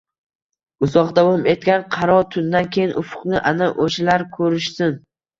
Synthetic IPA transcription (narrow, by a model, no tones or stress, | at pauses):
ʊzɒqd̪avɒme̞t̪̚ɡʲanqʰɑɾɒɾt̪ʰʊnd̪ankʲʰejɪnʔʊfʊ̥qnɪʔanaʔoʃɪlaɾkʰɵɾɪʃsɪn